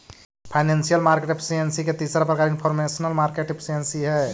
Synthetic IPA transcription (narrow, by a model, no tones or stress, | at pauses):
pʰaɪneːnsijəlmaːɾkeʈɪpʰɪ̥siənsiket̪iːsɾapɾəkaːɾɪnpʰɔːɾmeːsnəlmaːɾkeʈɪpʰɪ̥siənsiɦɛː